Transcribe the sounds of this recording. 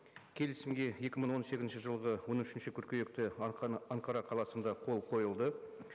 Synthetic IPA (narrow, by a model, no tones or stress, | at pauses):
kʲʰe̞lɪsɪmɡʲe̞je̞kʲɪməɴwo̞nse̞ɡʲɪnʃəʒəlˠʁəwo̞nʏʃɪnʃɪkʲʰʏɾkʲejek̚t̪ɪɑɴqʰɑɾɑqʰɑlˠɑsənd̪ɑqʰo̞lˠqʰo̞jəlˠd̪ə